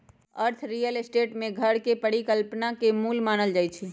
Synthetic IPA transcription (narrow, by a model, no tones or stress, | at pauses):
əɾt̪ʰɾijəlsʈeʈmẽɡʱəɽkepəɽikəlpnakemulmaːnəld͡ʒaːjt͡ʃʰi